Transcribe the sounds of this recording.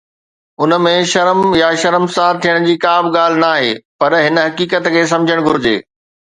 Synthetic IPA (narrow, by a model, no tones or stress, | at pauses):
ʊnə̆mẽʃɐɾəmjaʃɐɾəmsaːɾt̪ʰijəɽ̃d͡ʑiːkaːbɠaːl̤ɪnaːɦḛːpɐɾɦɪnə̆ɦɐkiːkət̪kʰeːs̬ɐ̃md͡ʑʱəɽ̃ɡʱʊɾɪd͡ʑḛː